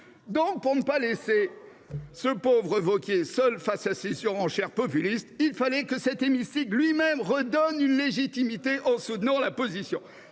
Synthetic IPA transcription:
d̪ɔ̃k̚puʁnəpalese | səpovʁəvɔkʲesœlfasasesyʁɑ̃ʃɛʁpɔpylist̪ilfalɛkəsɛt̪emist̪iklɥimɛmʁəd̪ɔnynleʒit̪imit̪eʔɑ̃sut̪nɑ̃lapozisjɔ̰̃

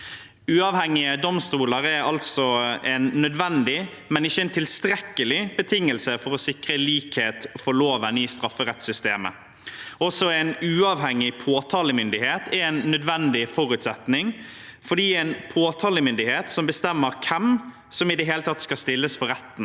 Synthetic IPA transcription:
ʉːɑːʋhɛŋːɪəd̪ɔmst̪uːləɾɛɾɑlt̪sɔɛɪnːœd̪ʋɛnd̪ɪ | mɛnɪçːəɛnt̪ʰɪlst̪ɾɛkːəlɪbət̪ʰɪŋːəlsəfɔɾɔsɪkɾəliːkheːt̪fɔloːʋənɪst̪ɾɑfːəɾɛt̪sʏst̪eːmə̰ | ɔsɔɛɪnʉːɑʋhɛŋːɪpʰoːt̪ʰɑːləmʏnd̪ɪheːt̪ʰɛɾɛɪnːœd̪ʋɛnd̪ɪfɔɾʉt̪sɛt̪nɪŋ | fɔɖiːɛɪnpʰoːt̪ʰɑːləmʏnd̪ɪheːt̪sɔmbəst̪ɛmːəɾkʰɛm | sɔmɪd̪ɛɦeːlət̪ʰɑt̪ːskɑst̪ɪlːəsfɔɾɛt̪ːn̩

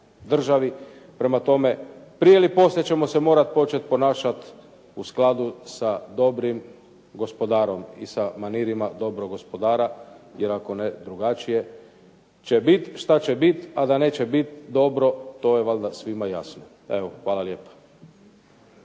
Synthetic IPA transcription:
d̪r̩ʒaʋipɾe̞mat̪o̞mepɾijelipo̞slʲet͡ɕe̞mo̞se̞mo̞ːɾat̪̚po̞t͡ʃet̪̚po̞naːʃat̪ | usklˠad̪usad̪o̞bɾim | ɡo̞spo̞d̪aːɾo̞mḭsamaniɾimad̪o̞bɾoɡospo̞d̪aːɾajeɾako̞ned̪ɾuɡat͡ʃije̞ | t͡ʃebit̪ʃt̪at͡ɕebit̪ad̪aneːt͡ɕebit̪d̪o̞bɾo̞t̪o̞jeʋald̪asʋimaja̰sno | e̞ʋoxʋaːlaljeːpḁ

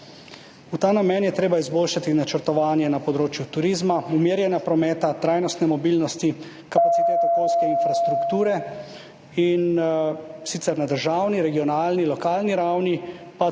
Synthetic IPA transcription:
ut̪aːnamɛnjɛt̪ɾeːbaizboːlʃat̪inat͡ʃəɾt̪ɔʋaːnjɛnapɔd̪ɾoːt͡ʃjut̪uɾiːzmaumeːɾjɛnjapɾɔmɛːt̪at̪ɾaːjnɔst̪nɛmɔbiːlnɔst̪i | kapat̪sit̪eːt̪okoːlskɛinfɾast̪ɾukt̪uːɾɛ | in | sit̪sɛɾnad̪əɾʒaːwniɾɛɡiɔnaːlnilɔkaːlniɾawni | pa

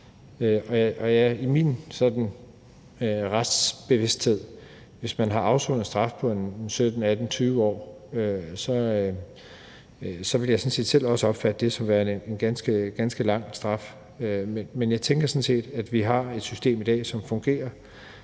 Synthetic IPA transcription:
øʔɒ̽jʔɒ̽jæimiːnsɒ̽d̥n̩ | ʁasd̥sb̥e̝ʋe̝sd̥he̝ð̞̰ˠ | ʋe̝smænɦɑ̈ɑ̈ʊsoð̩sd̥ʁɑ̈fpʰɒ̽e̝nnsød̥n̩æd̥n̩t͡sʰyːʋəɒ̰ːøsɒ̽ | sɒ̽ʋe̝ljɑ̈ɪsɒ̽nse̝̰ːd̥sel̰ɒ̽səɒ̽b̥fæd̥əd̥e̝sɒ̽mʋæːɐe̝nɡ̥ænsɡ̥əɡ̥ænsɡ̥əlɑ̈ŋ̰sd̥ʁɑ̈f | ømenmenjɑ̈ɪt͡sʰeŋɡ̥ɐsɒ̽nse̝̰ːd̥æd̥ʋiɦɑ̈e̝d̥sysd̥e̝̰ːmid̥ɛ̰ːsɒ̽mfɔ̽ŋɡ̥e̝̰ːɐ

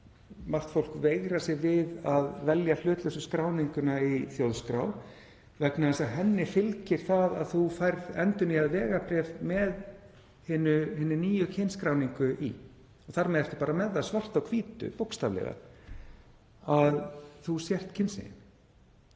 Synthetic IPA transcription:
mar̥t̪fowl̥kveːjɣɾasɛvɪðaðvɛljal̥ʏːt̪lœsʏskɾaːwniŋkʏnaiθjowðskɾaw | vɛknaðɛst̪aðɦɛnːɪfɪlcɪɾ̥θaða̰ðθufajɾðɛnt̪ʏnihaðvɛːɣapɾɛvmɛð | hɪːnʏhɪːnʏniːjʏcʰɪnskɾawniŋkʏʔḭ | ɔɣθaɾmɛðɛft̪ʏ̥ɾ̥paːɾamɛðːaðsvar̥t̪awkʰviːt̪ʏ̰powkst̪avlɛ̰ɣa̰ | aðθusjɛr̥t̪cʰɪnsɪ̰nɪ̰m

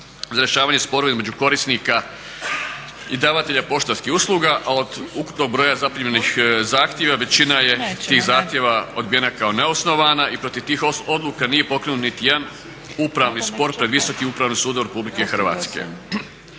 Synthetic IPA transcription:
zaɾeʃaːʋaːɲe̞spo̞ɾoaizme̞d͡ʑuko̞ɾisnika | id̪aːʋat̪eʎapo̞ʃt̪askixuslˠuɡaʔao̞d̪uku̥pno̞ɡ̚bɾo̞ːjazapiɲenixzaːxt̪je̞ʋaʋe̞t͡ɕinaje̞t̪iːxzaːxt̪ʲje̞ʋao̞̰d̪bijenakao̞ne̞osno̞ʋanaipɾo̞t̪iʋt̪iːxod̪lukanije̞po̞kɾenut̪nit̪ijed̪an | upɾaʋnispo̞ɾpɾe̞d̪ʋiso̞kiupɾaʋnisuːd̪oɾe̞publikexɾ̩ʋa̰ːt̪skḛ

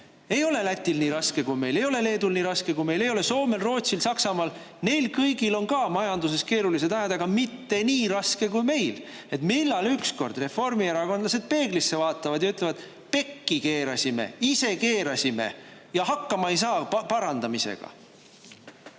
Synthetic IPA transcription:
e̞jo̞le̞læt̪ʲːˑilniːɾɑske̞kujme̞jle̞jo̞le̞le̞ːd̪̥ulniːɾɑskekujme̞jle̞jo̞le̞so̞ːme̞lro̞ːt̪silsɑksɑmɑːl | ne̞jlkɤjɡilo̞nkɑmɑjɑnd̪us̬e̞ske̞ːɾuliset̪æɦed̪ɑɡ̥ɑmit̪ːe̞niːɾɑske̞kujme̞jl | e̞t̪milːɑlyksko̞̰rd̪̥re̞fo̞rmieɾɑko̞nd̪lɑse̞d̪̥pe̞ːɡ̥lisːe̞vɑːt̪ːˑɑvɑd̪jɑyt̪levɑd̪̥ | pe̞kːike̞ːɾɑsime̞̰ise̞ke̞ːɾɑsime̞̰jɑhɑkːɑmɑejs̬ɑːpɑɾɑnd̪̥ɑmise̞̰ɡ̥ɑ̰

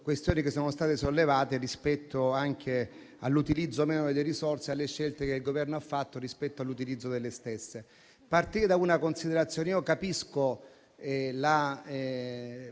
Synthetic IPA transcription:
kwest̪joːnik̟esːoːnost̪aːt̪esolːevaːt̪erispɛt̪ʰːoaŋkʰe | alːut̪ilid̪zːoːmeːnod̪elːeɾisorsealːeʃːelt̪ekeilɡovɛrnoafːat̪ːoɾispɛt̪ːoalːut̪ilid̪zːod̪elːest̪esːe | part̪iɾed̪aunakonsid̪eɾat̪sːjoːneiokapisko | ɛla

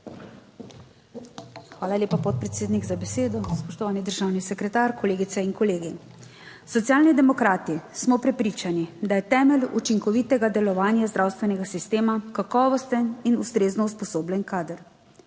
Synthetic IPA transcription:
xʋaːlalʲeːpapɔt̪̚pɾɛt̪seːd̪niɡzabɛseːd̪ɔspɔʃt̪ɔʋaːnid̪əɾʒaːwnisɛkɾɛt̪aːɾkʰɔleːɡit̪sɛiŋkɔleːɡi | sɔt̪siaːlnid̪ɛmɔkɾaːt̪ismɔpɾɛpɾiːt͡ʃanid̪ajɛt̪ɛːmɛlut͡ʃiŋkɔʋit̪ɛɡad̪ɛlɔʋaːnjazd̪ɾaːwst̪ʋɛnɛɡasist̪eːmakakɔːʋɔst̪əninust̪ɾeːznɔuspɔsoːblʲɛnkaːd̪əɾ

